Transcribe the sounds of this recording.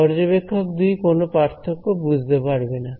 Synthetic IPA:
ɔɾd͡ʑobekʰːokd̪ujkonopaɾt̪ʰokːobud͡ʑʱt̪epaɾbena

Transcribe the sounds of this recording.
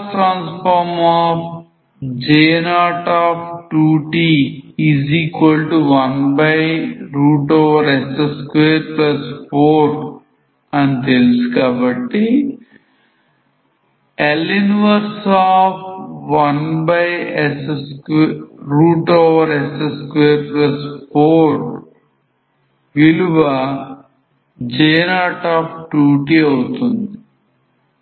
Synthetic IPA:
ʈɾãːnspʰaɾmaːp | d͡ʒeːnaːʈaːpʰʈuːʈiːiziːkʋɐlʈuʋɐnbɐjɾuːʈoːʋɐɾeseskʋeːɾplɐspʰoːɾ | ɐnt̪elsu̥kaːbɐʈːi | elːinʋɐɾsaːpʋɐnbɐjeseskɾuːʈoːʋɐɾeseskʋeːɾplɐspʰoːɾ | ʋiluʋa | d͡ʒeːnaːʈaːpʈuːʈiɐwut̪und̪i

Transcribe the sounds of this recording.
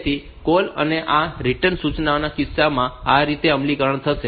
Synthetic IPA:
t̪ʰi | kolə̰neʔaɾiʈənsut͡ʃnaonakɪsːamãaɾit̪eəmlikəɾəɳt̪ʰəʃe

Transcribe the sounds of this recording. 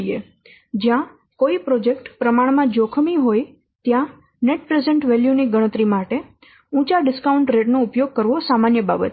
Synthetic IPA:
ije | d͡ʒjã | koipɾod͡ʒek̚ʈpɾəmaɽmãd͡ʒokʰəmiɦoj | t̪jã | neʈ̚pɾezeɳʈʋɛljuniɡəɽ̃ət̪ɾimaʈe | ũt͡ʃaɖɪskauɳʈɾeʈnoupjoɡ̚kəɾʋosamanjəba̰bət̪

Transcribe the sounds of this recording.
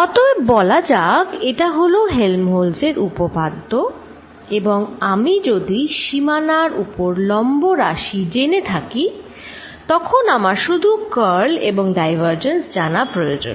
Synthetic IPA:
ɔt̪oebɔlad͡ʑaɡeʈaɦoloɦelmɦolseɾupobad̪ʱːo | eboŋamid͡ʑod̪iʃimanaɾupoɾlɔmboɾaʃid͡ʑenet̪ʰaki | t̪ɔkʰonamaɾʃud̪ʱukəɾlḛboŋɖajbʱaɾd͡ʑensd͡ʑanapɾojod͡ʑo̰n

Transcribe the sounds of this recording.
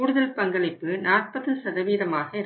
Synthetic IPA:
uːɽɯðɐlpɐŋɡɐɭɪpːɯnaːr̚pɐðɯsɐðɐʋiːðɐmaːɣɐɪɾ

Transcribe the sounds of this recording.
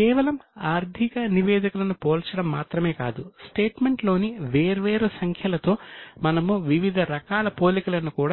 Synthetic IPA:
kɛːʋɐlɐmaːɾd̪ʱikɐniʋɛːd̪ɐkulɐnupoːlt͡ʃɐɽɐmːaːt̪ɾɐme̞ːka̰ːd̪usʈeːʈme̞ɳʈlo̞ːniʋeːɾʋeːɾusɐŋkʰjɐlɐt̪o̞ːmɐnɐmuʋiʋid̪ʱɐɾɐkaːlɐpoːlikulɐnukuːɽaː

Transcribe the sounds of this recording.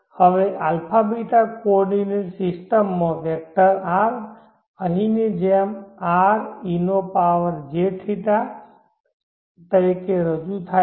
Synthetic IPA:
həʋeʔalpʰabiʈakɔɾɖineʈsisʈəmːãʋek̚ʈəɾaɾ | əɦined͡ʒemaɾinopaʋəɾd͡ʒeʈʰit̪a | t̪əɾikeɾəd͡ʒut̪ʰa

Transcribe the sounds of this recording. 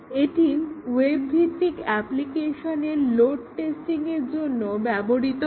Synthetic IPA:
eʈiwebbʱit̪ːikɛplikeʃoneɾloɖ̚ʈesʈiŋeɾd͡ʑonːobɛboɽit̪o

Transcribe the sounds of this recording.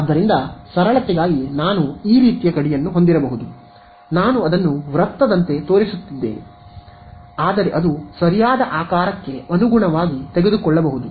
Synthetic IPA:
d̪ːɐɾind̪ɐsɐɾɐɭɐt̪ːiɡaːɡinaːnuiːɾiːt̪ijɐkɐɽijɐnːuɦond̪iɾɐbɐɦud̪u | naːnuɐd̪ɐnːuʋɾɐt̪ːɐd̪ɐnt̪e̞t̪o̞ːɾisut̪ːid̪ːeːne | aːd̪ɐɾeʔɐd̪usɐɾijaːd̪ɐʔaːkaːɾɐkːe̞ɐnuɡuɳɐʋaːɡit̪eɡe̞d̪ukɔɭːɐbɐɦud̪u

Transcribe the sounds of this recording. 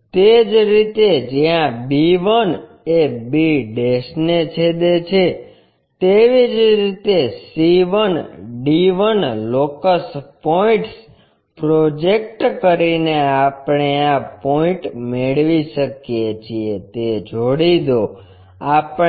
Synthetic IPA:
t̪ed͡ʒɾit̪ed͡ʒjãbiʋən | ebiɖeʃnet͡ʃʰed̪et͡ʃʰe | t̪eʋid͡ʒɾit̪esiʋənɖiʋənlokəspoĩʈs | pɾod͡ʒek̚ʈkəɾineapɳ̃eapɔĩʈmeɭʋiʃəkijet͡ʃʰiet̪ed͡ʒoɽid̪o | ap

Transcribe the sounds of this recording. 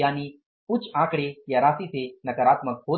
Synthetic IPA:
jañi | put͡sãkɽejaɾasit͡senəkəɾat̪mək̚ɦo

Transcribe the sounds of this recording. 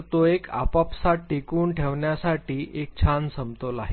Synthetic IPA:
t̪oekʰa̰papsaʈːikuːnʈʰeʋɳjasaʈiːʔek̚t͡ɕʰansəmt̪olaɦe

